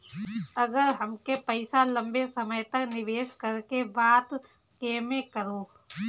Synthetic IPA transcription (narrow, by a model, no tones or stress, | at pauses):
ɐɡəɾɦɐmkepɐɪsalɐ̃mbesɐməjt̪ɐknɪʋeːskɐɾkebaːd̪ | keːmẽkəɾoː